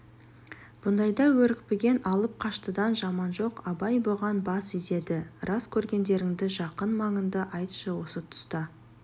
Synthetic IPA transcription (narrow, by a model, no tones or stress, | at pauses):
b̥ʊnd̪ɑjd̪ɑwɵɾɪk̚ʲpeɡʲe̞nɑlˠəp̚qʰɑʃt̪əd̪ɑnʒɑmɑnʒo̞qɑbɑjboʁɑnbɑsize̞d̪ɪɾʔɑskʲʰɵɾɡʲe̞nd̪e̞ɾɪŋd̪ɪʒɑqənmɑɴənd̪əʔɑjt̪ʃəwo̞sət̪ʰʊ̥st̪ɑ